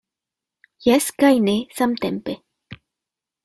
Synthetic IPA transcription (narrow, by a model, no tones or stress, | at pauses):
jaskajnesamt̪empe